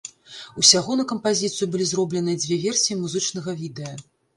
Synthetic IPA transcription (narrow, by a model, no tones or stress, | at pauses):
usʲaɣɔnɐkɐmpazʲit̪sɨjubɨlʲizrɔblʲɛnɨɐd͡zʲvʲɛvʲɛrsʲijimuzɨt͡ʂnɐɣɐvʲid̪ɛjɐ